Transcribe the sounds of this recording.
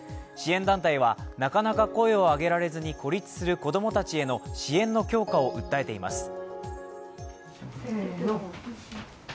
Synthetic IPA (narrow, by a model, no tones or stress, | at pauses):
ɕiẽ̞nd̪ãnt̪aiβ̞anakanakako̞e̞o̞aɡe̞ɾaɾe̞zɨɲ̟iko̞ɾʲit͡sɨ̥sɨɾɯ̟ko̞d̪o̞mo̞t̪at͡ɕie̞no̞ɕiẽ̞nːo̞kʲo̞ːkao̞ʔɯ̟t̪ːae̞t̪e̞ima̰sɨ̥